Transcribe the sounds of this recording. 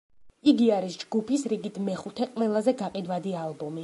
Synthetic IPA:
iɡiaɾisd͡ʒɡupisɾiɡit̪ʰmɛχut̪ʰɛqʼwɛlˠazɛɡaqʼid̪wad̪ialˠbɔmi

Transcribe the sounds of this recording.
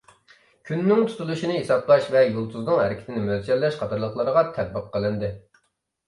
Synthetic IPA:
kʲʰynːɪŋt̪ʰu̥t̪ʰulˠuʃinɨɦesɑplˠɑʃvɛjolˠt̪ʰuznɨŋɦæ̰ɾɪkʲɪ̥t̪ʰɪnɪmølt͡ʃɛɾlːɛʃqʰɑt̪ʰɑɾlˠəχlˠɑɾəʁɑt̪ʰɛd̪̚bəqʰːəlˠɨnd̪ɪ

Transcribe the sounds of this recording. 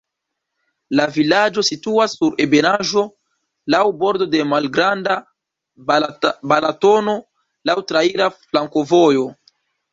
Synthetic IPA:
lavilad͡ʒo̞situasːuɾe̞be̞naʒo̞ | lawbo̞ɾdo̞de̞malɡɾanda | balato̞no̞ | lawtɾaiɾaflaŋko̞vo̞jo̞

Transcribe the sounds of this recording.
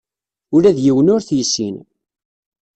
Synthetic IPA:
ʊɾæðjiwənʊɾθjəsːin

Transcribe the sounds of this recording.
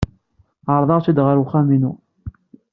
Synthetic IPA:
əɾˤðˤɑʁt͡sid̪ʁəɾʊχæminu

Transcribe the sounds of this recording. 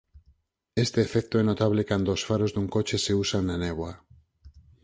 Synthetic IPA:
est̪eːfɛkt̪oɛnot̪aβlekand̪oːsfaɾozðuŋkot͡ʃeseusaŋnaneβwa

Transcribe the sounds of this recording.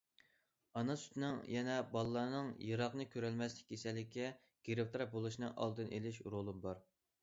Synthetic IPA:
ɑnɑsy̥t̪ʰɪnɪŋjɛnɛbɑlˠɨlːˠɑːnɨŋjɨɾɑqnɨkʲʰøɾɛlmɛslɪ̥k̚ʲːʰesɛlːɪkʲʰːɛ | ɡ̥ʲeɾɪp̚t̪ʰɾɑp̚bolˠuʃinɨŋʔɑ̰lˠd̪ɨnʔelɪʃɾolˠɨmbɑɾ

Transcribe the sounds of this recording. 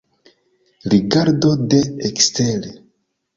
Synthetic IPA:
ɾiɡaɾdo̞de̞ːkstele

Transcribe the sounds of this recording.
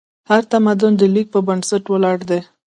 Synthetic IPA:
haɾt̪amad̪ʊnd̪əlik̚pəbansaʈwəlɑɽd̪e

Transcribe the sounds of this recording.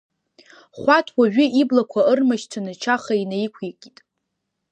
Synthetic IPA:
χʷatʰwaʒᶣʏʔiblakʷʰaɨrmaʃtʰanat͡ʃʰaχainajkʷʰikʼitʼ

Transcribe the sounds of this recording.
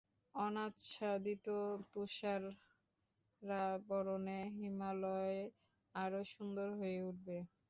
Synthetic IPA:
ɔnat̪ːʃad̪it̪ot̪uʃaɾ | abɔɾoneɦimalɔe | aɾoʃund̪oɾɦoeuʈ̚be

